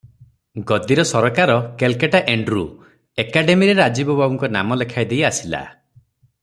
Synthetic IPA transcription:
ɡɔd̪iɾɔsɔɾɔkaɾɔkelkeʈaʔeɳɖɾu | ekaɖemiɾeɾad͡ʒibɔbʱabɔŋkɔna̰mɔlekʰajd̪ejasila̰

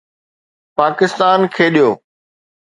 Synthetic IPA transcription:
paːkɪst̪aːnkʰeːɗijoː

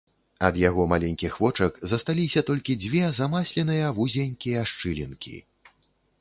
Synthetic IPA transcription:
ɐd̪jaɣɔmalʲɛnʲkʲixvɔt͡ʂɐkzɐst̪alʲisʲɐt̪ɔlʲkʲid͡zʲvʲɛzamasʲlʲɛnɨjɐvuzʲenʲkʲijɐʂt͡ʂɨlʲḭnkʲḭ

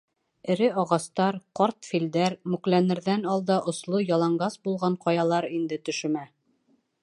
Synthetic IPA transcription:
ɘ̆ɾɘɒʁɑst̪ɑɾqɒɾt̪fild̪æɾmʉklænɘ̆ɾðænɒlˠd̪ɑʔŏslˠojɑlˠɑɴɢɑsbulˠʁɑɴqɑjɑlˠɑɾind̪ɘt̪ɵ̆ʃɵ̆mæ

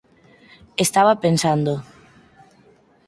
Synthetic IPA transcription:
est̪aβapensand̪o

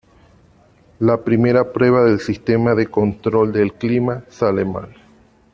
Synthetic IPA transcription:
lapɾime̞ɾapɾwe̞β̞aðe̞lsist̪emaðekont̪ɾo̞ld̪elklimasalema̰l

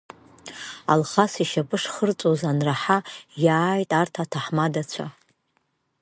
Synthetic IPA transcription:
a̰lχasiʃapʼɨʂχərt͡sʼozanraħajaːjtʼartʰatʰaħmadat͡ɕʷʰa

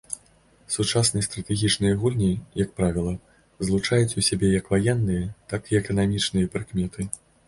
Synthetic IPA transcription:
sut͡ʂasnɨjɐst̪ɾɐt̪ɛɣʲit͡ʂnɨjɐɣulʲnʲijɐk̚pɾavʲilˠɐ | zlˠut͡ʂajut͡sʲusʲabʲɛjɐkvajɛnːɨjɐt̪akiɛkɐnamʲit͡ʂnɨjɐpɾɨkmʲɛt̪ʰɨ

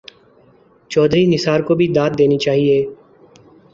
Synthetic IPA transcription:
t͡ʃɔːd̪ɾinɪsaːɾkobʱid̪aːt̪̚d̪eːnit͡ʃaːɦieː

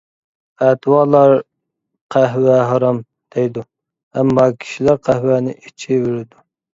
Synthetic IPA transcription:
ɛt̪wɑlˠɑɾ | qʰæɦwæɦɑɾɑm | d̪̥ɛjd̪u | ɛmːɑkʲʰi̥ʃilæɾqʰæhwænɪʔit͡ʃʰiveɾɪd̪u

